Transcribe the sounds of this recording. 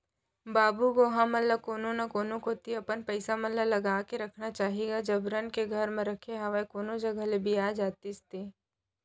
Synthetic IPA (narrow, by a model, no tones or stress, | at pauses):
baːbuɡoːɦãmɐlːakoːnõnakoːnõkoːt̪iɐpənpəɪsamɐlːalɐɡaːkeɾɐkʰnat͡ʃaːɦiɡad͡ʒɐbɾənkeɡʱəɾmẽɾɐkʰeɦaʋakoːnod͡ʒɐɡalebʱiaːd͡ʒaːt̪ist̪iː